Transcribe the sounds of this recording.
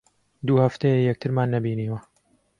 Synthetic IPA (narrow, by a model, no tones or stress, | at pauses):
d̪uːhɐft̪ejejɛk̚t̪ʰɨɾmaːnːɐbiːniːwɐ